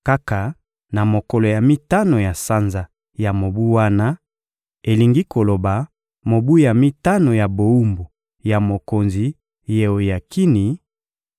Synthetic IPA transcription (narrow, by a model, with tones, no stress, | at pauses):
ka˦ka˨ | na˨mo˨kɔ˨lo˨ja˨mi˦ta˦no˨ja˨sa˦nza˨ | ja˨mo˨bu˦wa˦na˦ | e˨li˨ŋɡi˦ko˨lo˨ba˨ | mo˨bu˦ja˨mi˦ta˦no˨ja˨bo˨u˦mbo˨ | ja˨mo˨ko˨nzi˨ | je˨o˨ja˨ki˦ni˨˦